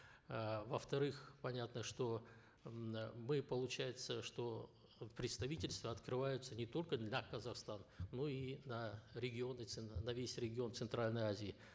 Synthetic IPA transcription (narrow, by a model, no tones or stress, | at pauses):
vəft̪ɐɾɨxpɐnʲat̪nəʂt̪o̞ | mɨpəlˠʊt͡ɕæjɪt̪səʂt̪o̞ | pɾʲɪt̪st̪ɐvʲitʲɪlʲst̪vəɐt̪kɾɨvajʊt̪sənʲɪt̪o̞lʲkəd̪lʲɐkəzɐxst̪anːo̞inɐɾʲɪɡʲɪo̞nət̪sɨnɐvʲesʲɾʲɪɡʲɪo̞nt̪sɨnt̪ɾalʲnəjazʲɪɪ